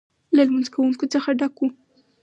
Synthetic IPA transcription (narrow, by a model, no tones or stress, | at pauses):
lalmanzkawuŋkot͡səxaɖaku